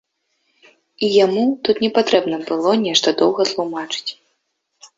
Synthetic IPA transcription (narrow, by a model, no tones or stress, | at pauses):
ijamut̪ut̪nʲɛpat̪ɾɛbnɐbɨlˠɔnʲɛʂt̪ɐd̪ɔwɣɐt̪lˠumat͡ʂɨ̥t͡sʲ